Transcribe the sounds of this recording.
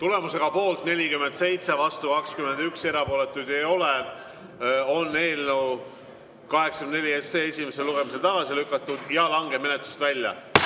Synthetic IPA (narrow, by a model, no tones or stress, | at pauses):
t̪ule̞muse̞ɡ̥ɑpo̞ːlt̪ne̞lʲikymːend̪se̞jt̪se̞vɑst̪ukɑkskyme̞nd̪ykse̞ɾɑpo̞ːle̞t̪ːˑud̪̥e̞jo̞le | o̞nːe̞ːlnow | kɑɦeksɑ̥kymnne̞lʲiesːeːe̞sʲimes̬e̞lːuɡ̥e̞mis̬e̞lt̪ɑɡ̥ɑsilykːˑɑt̪ːˑud̪̥jɑlɑŋɡe̞me̞net̪ˑlust̪vælʲːjɑ̰